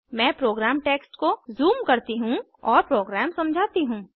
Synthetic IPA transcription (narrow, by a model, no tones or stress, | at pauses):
mɛ̃ːpɾoːɡɾɛːmʈeːksʈkozuːmkɐɾt̪iɦũ | ɔːɾpɾoːɡɾɛːmsɐ̃md͡ʒʱaːt̪iɦũː